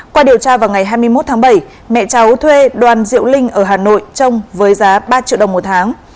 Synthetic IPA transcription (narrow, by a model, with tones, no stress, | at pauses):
kwaː˧ɗi˨˩əwt͡ɕaː˧vaː˨˩wŋa˨˩jɦaː˧jmɨ˧əjmo˦˥t̚t̪ʰaː˨˦ɓə˧˩j | mɛ̰˧˨t͡ɕa˨˦wt̪ʰwe˧ɗwaː˨˩nzḭ˧˨əwlï˧ŋ̟ʔəː˧˩ɦaː˨˩no̰˧˨jt͡ɕə˧wŋ͡mvəː˨˦jzaː˨˦ɓaː˧t͡ɕḭ˧˨ɗə˨˩wŋ͡mmo˨˩t̚t̪ʰaː˨˦ŋ